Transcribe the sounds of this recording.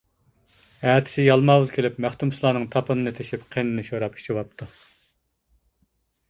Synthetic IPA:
æt̪ʰɪ̥sɪjɑlˠmɑːwɨzkʲʰelɪpmæχt̪umsɨlˠɑːnɨŋt̪ʰɑpʰɨnɨnɨt̪ʰeʃipqʰenɨnɨʃoɾɑpi̥ʃʰiwɑp̚t̪ʰu

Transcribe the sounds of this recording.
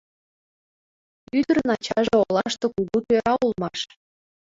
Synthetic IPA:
yd̪ə̆ɾnɑt͡ɕɑʒeolˠɑʃt̪okuɣut̪øɾɑulˠmɑʃ

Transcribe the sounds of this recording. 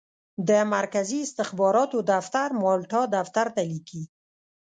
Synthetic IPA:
d̪əmaɾkaziɪst̪ɪxbɑɾɑt̪od̪aft̪aɾmɑlʈɑd̪aft̪aɾt̪aliki

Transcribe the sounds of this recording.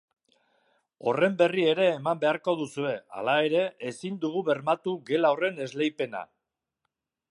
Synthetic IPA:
o̞re̞mbe̞rie̞ɾe̞ːmambe̞aɾko̞ðusue̞a̰lae̞ɾe̞ʔesind̪uɣ̞uβe̞ɾmat̪uɣe̞laore̞ne̞zle̞jpe̞na̰

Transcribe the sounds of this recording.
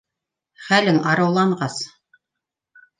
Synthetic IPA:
χælɘŋɑɾɤ̆wlˠɑɴʁɑs

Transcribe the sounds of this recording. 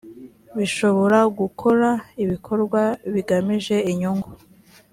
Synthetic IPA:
βiʃo̞βo̞ɾaɡukʰo̞ɾaiβikʰo̞ɾɡwaβiɡamiʒe̞iɲuŋɡu

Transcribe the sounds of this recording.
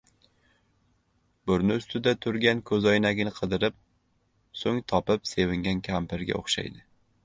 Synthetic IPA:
bʊɾnɪʊst̪ʰɪd̪at̪ʰʊɾɡʲankʰɵzɒjnaɡʲɪnɪqʰɨd̪ɪɾɪp̚ | soŋt̪ʰɒpɪpse̞vɪŋɡʲankʲʰampɪɾɡʲa̰o̰χʃa̰jd̪ɪ

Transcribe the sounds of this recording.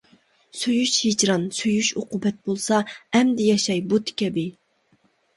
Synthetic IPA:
søjyʃhid͡ʒɾɑnsøjyʃoqʊbɛt̪̚bolˠsɑɛmd̪ɪjɑʃɑjbut̪ʰɪ̥kʲʰɛbɪ

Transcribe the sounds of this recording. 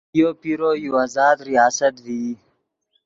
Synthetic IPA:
jopiɾoːjuaːzɑːd̪ɾijɑːsət̪vi

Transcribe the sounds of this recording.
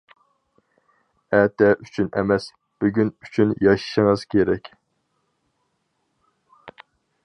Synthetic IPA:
ɛt̪ɛʔyt͡ʃʰynʔɛ̰mɛs | b̥yɡʲynyt͡ʃʰynjɑʃi̥ʃɪŋəz̥kʲʰeɾɛkʲ

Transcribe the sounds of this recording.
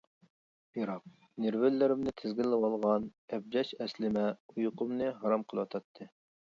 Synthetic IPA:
b̥iɾɑq̚ | neɾvɪlːɪɾɪmnɪt̪ʰɪzɡʲɪlːɪwɑlˠʁɑnɛb̚d͡ʒɛʃɛslɪmɛujʊqʊmnɨɦɑɾɑmqʰəlˠɨwɑt̪ʰɑt̪ʰːɨ

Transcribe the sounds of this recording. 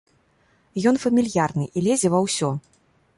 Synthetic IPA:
jɔn̪fɐmʲilʲjarnɨʔilʲezʲɛvɐwsʲɔ

